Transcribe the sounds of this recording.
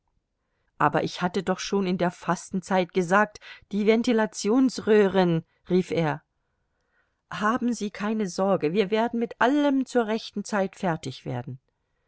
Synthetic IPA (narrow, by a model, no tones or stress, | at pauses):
ʔaːbɐ̰ʔɪçhatədɔχʃoːnɪndeːɐfastn̩t͡saɪtɡ̥əzaːk̚td̥iːvɛntilat͡sjoːnsʁøːʁɪn | ʁiːfʔeːɐ | haːbm̩ziːkʰaɪnəzɔɐɡəviːɐveːɐdn̩mɪtʔaləmt͡suːɐʁɛçtn̩t͡saɪtfɛɐtɪçv̥ḛːɐdn̩